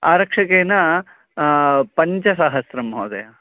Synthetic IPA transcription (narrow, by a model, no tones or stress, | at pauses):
aːɾɐkʂɐkeːnɐ | pɐɲt͡ʃɐsaːɦɐsɾɐmɦoːd̪ɐ̰jɐ